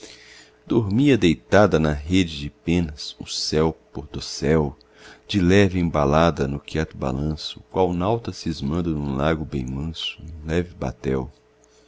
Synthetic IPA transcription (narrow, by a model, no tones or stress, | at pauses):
d̪oɾmiɐd̪ejt̪ad̪ɐnɐɦed͡ʒɪd͡ʒɪpẽnɐsʊ̰sɛwpoɾd̪osɛw | d͡ʒɪlɛvɪẽbalad̪ɐnʊkʰɛt̪ʊba̰lɐ̃sʊkwawnawt̪ɐsɪːzmɐ̃nd̪ʊnũlaɡʊbḛ̃j̃mɐ̃sʊẽlɛvɪba̰t̪ɛ̰w